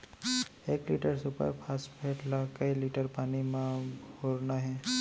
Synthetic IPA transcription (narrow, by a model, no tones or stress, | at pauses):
ekliʈəɾsupə̰ɾpʰasbʱeʈlakəjliʈəɾpanimãboɾnaɦɛ